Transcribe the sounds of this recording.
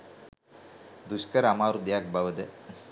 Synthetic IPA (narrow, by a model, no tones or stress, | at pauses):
d̪uɕkɐɾamaːɾud̪jaːk̚bʱaʋɐd̪e